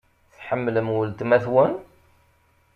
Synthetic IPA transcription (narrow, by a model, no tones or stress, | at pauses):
θħəmːləmwəlt̪mæθwən